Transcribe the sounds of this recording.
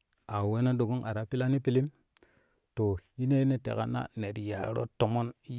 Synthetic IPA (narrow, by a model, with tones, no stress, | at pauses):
a˨we˦na˦do˨ɡo˦ŋʔa˨ɾa˨pi˦la˦ni˦pi˨li˦m | to˨ji˦ne˦ne˦tḛ˨ka̰˦na̰˦ne˨ɾja˨ɾo̰˦to˨mo˦n